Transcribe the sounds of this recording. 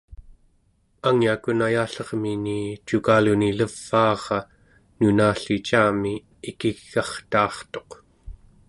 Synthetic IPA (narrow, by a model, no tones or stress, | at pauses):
aŋjiakunajaːɬʌʁminit͡ʃukaːluniləv̥ːɑːʁɑ | nunaːɬit͡ʃaːmiː | kiɣːɑχt̪ɑːχt̪o̞q